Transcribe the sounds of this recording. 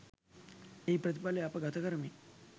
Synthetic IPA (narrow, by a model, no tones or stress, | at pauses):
eipɾət̪̬ipaleapaɡat̪ʰakəɾəmi